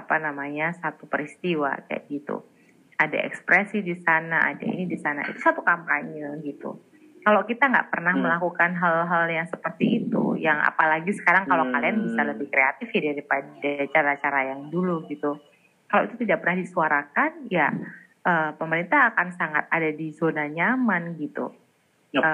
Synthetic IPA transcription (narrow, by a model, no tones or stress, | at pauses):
apanamaɲasat̪upəɾist̪iwa̰ka̰ja̰ʔɡit̪ṵ | ada̰ʔɛ̰kspɾɛsidisanaʔa̰da̰ḭnidisana̰ḭt̪usat̪ukampaɲalɡit̪ṵ | kalokit̪aŋɡa̰ʔpərnahməlakukanɦalɦaljaŋsəpərt̪iːt̪ṵjaŋa̰palaɡisə̥kaɾaŋkalokalianbisaləbɪhkɾeat̪ɪfjadaɾipadat͡ʃaɾat͡ʃaɾajaŋduluɡit̪u | kalowḭt̪ut̪idaʔpərnahdisuaɾakanja | ʔəːpəməɾint̪aɦːkansaŋat̪̚adadizonaɲamanɡit̪ṵ | ə